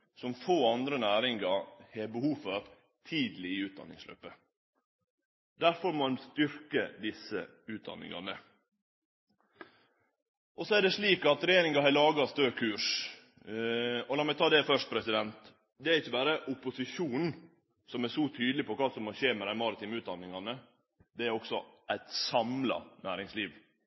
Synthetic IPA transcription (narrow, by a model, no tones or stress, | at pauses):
sɔmfoːɑnd̪ɾənæːɾɪŋɡɑheːbəhuːfɔɾ | t̪ʰiːd̪lɪɪʉːt̪̚d̪ɑ̰nːɪ̰ŋslø̰ːpːə | d̪æɾfɔɾmɔɑnst̪ʏɾkəd̪ɪsə̰ | ʉːt̪̚d̪ɑ̰nːɪ̰ŋɑ̰nə | ʔɔsɔæɖ̪ɛʂɭiːkɑt̪ɾɛjeːɾɪŋɑɦɑlɑːɡɑst̪øːkʰʉːʂ | ɔlɑːmɛt̪ʰɑːd̪ɛfœʂʈ̚pʰɾɛsɪd̪ɛnt̪ | d̪ɛæɾɪçːəbɑːɾəʔʊpʊsɪʂuːnn̩ | sɔmæʂɔt̪ʰyːd̪əlɪpʰɔkɑːsɔmhɔɕeːmɛd̪æɪmɑɾət̪ʰiːmʉːt̪̚d̪ɑnːɪŋɑnə | d̪ɛæɾɔksɔʔæɪt̪sɑmlɑ̰næːɾɪŋsliːʋ